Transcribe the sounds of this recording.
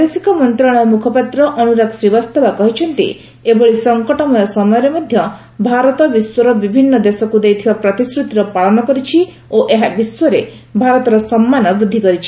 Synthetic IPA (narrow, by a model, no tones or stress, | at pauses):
d̪esikɔmɔnt̪ɾɔɽ̃ɔmukʰɔpat̪ɾɔʔɔnuɾaksɾibast̪ʰabakɔɦit͡ʃʰɔnt̪ḭ | ebɔɭisɔŋkɔʈɔmɔjɔsɔmɔjɔɾemɔd̪ʱjɔ | bʱaɾɔt̪ɔbiswɔɾɔbibʱinːɔd̪esɔkud̪ejt̪ʰibapɾɔt̪iskɾut̪iɾɔpaɭɔnɔkɔɾit͡ʃʰi | oʔeɦabiswɔɾe | bʱaɾɔt̪ɔɾɔsɔmːanɔbɾud̪ʱːikɔɾit͡ʃʰi̥